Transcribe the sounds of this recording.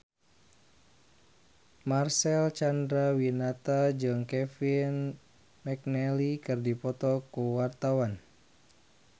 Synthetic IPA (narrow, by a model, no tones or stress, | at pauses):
marsɛlt͡ʃandɾawinat̪ad͡ʒɨŋkɛfin | mɛk̚nɛlikɨrdipɔt̪ɔkuwart̪awan